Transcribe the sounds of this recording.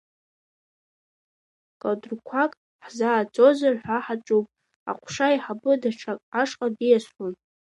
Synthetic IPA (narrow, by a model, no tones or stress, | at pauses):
kʼadrkʷʰakʼ | ħzaːt͡sʼozarħʷaħat͡ʃʼupʼ | a̰qʷʰʂajiħabɨdaʈ͡ʂʰakʼaʂʼqʼadijasħʷun